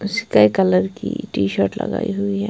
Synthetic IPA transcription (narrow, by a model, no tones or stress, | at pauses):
sɪ̥kaikɐləɾkiʈiːʃəːɾʈlɐ̰ɡaːiɦʊiɦɛː